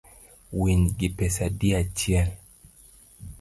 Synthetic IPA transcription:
winɡipɛsadiat͡ʃial

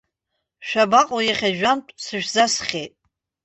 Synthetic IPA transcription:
ʃʷᶣabaqʼojaχʲaʒᶣantʼsɨʃᶣzasχʲejtʼ

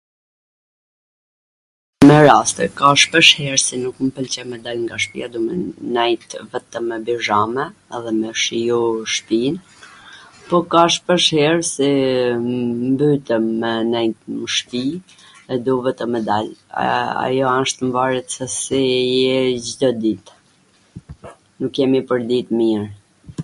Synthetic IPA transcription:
mɛɾast̪ɛkaʃpəʃhɛɾsinukmpəlt͡ɕɛmɛd̪alŋɡaʃpḭad̪umɛnɛjt̪vɛt̪əmːɛbiʒamɛːðɛmɛʃijuʃpin | pɔkaʃpəʃhɛɾsi | mbyt̪ɛmːɛnɛjt̪məʃpi | ɛd̪uvɛt̪əmːɛd̪al̰ | a̰jɔaʃt̪mvaɾɛt̪sɛsijɛd͡ʒd̪ɔd̪it̪ | nukjɛmipəɾd̪it̪miɾ

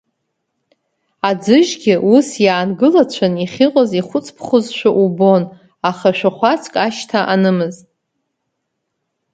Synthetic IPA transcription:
ad͡zɨʒɡʲɪʔusjaːnɡɨlat͡ɕʷʰaniχʲiqʼaziχʷʊt͡sʰpʰχʊzʃʷᶣaʔubo̞n | aχaʃᶣaχʷat͡sʰkʼaʃtʰaʔanɨmɨztʼ

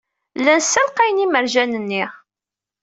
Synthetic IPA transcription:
lːænsælqæjniməɾʒænənːiʁ

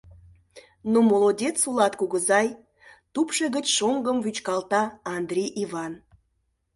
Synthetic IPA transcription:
numolˠodʲet̪sulɑt̪kuɣəzɑj | t̪upʃeɣət͡ɕʃoŋɡəmvyt͡ɕkɑlt̪ɑɑnd̪rʲijʔivɑn

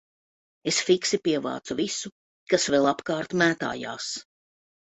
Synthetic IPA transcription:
esfiksipiɛva̰ːt̪suvisu | kasvɛlˠapkaːɾt̪mæːt̪a̰ːja̰ːs

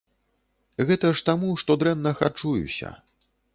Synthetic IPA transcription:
ɣɛt̪ɐʂt̪amuʂt̪ɔd̪ɾɛnːɐxa̰t͡ʂujṵsʲɐ̰

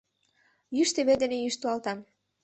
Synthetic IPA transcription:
jyʃt̪eβed̪enejyʃt̪uɑlt̪ɑm

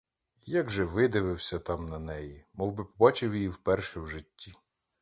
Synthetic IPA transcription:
jɑɡʒɛʋɪd̪ɪʋɪwsʲɐt̪ɑmnɐnɛjimɔlˠbɪpɔbɑt͡ʃɪwjijiwpɛrʃɛwʒɪtʲːi

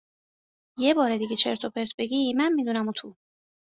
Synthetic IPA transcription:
jebɒːɾed̪iɡet͡ʃʰḛɾt̪ʰopʰeɾsbeɡimænmiːd̪unæmut̪ʰu

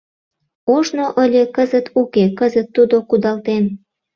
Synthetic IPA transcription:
oʒnoʔəlʲekəzət̪ʰukekəzət̪ːud̪okud̪ɑlt̪en

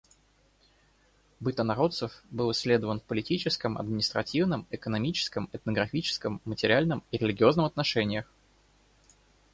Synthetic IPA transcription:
bɨt̪ənɐɾo̞t̪səfbɨlˠɨsʲlʲe̞d̪əvənfpəlʲɪtʲit͡ɕɪskəmɐ̰d̪mʲɪnʲɪst̪ɾɐtʲivnəmɪkənɐmʲit͡ɕɪ̥skəmɛt̪̚nəɡɾɐfʲit͡ɕɪ̥skəmːətʲɪɾʲɪalʲnəmiɾʲɪlʲɪɡʲɪo̞znəmɐt̪nɐʂɛnʲɪjəx

